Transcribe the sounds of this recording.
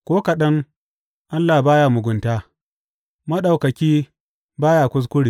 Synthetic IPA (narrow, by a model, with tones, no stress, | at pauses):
kʷoː˦ka˨ɗɐ˦ŋ | ʔa˦lːa˨baː˦jaː˦mʊ˨ɡʷʊ˨ntaː˦ | mɐ˦ɗa˨wkɐ˨kʲiː˦ | baː˦ja˨kʷʊ˦s̬kʷʊ˦ɽiː˨